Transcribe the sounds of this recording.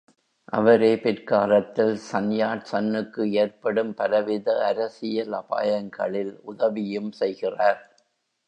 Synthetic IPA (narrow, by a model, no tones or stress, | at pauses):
ʔɐ̰ʋɐɾeːpɪɾkaːlɐt̪ːɪlsɐnjaːʈsɐnːɯkːɯeːɐɾpɐɽɯmpɐɾɐʋɪðɐɐɾɐsɪjɐlɐpa̰ːjɐŋɡɐɭɪlʔʊðɐʋɪjɯmsɛjɣɪraːɾ